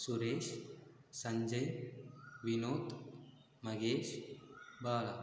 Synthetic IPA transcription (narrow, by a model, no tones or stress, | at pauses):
suɾeːʃsɐ̃ɲd͡ʒɐj | ʋinoːt̪ | mɐɡeːʃ | baːla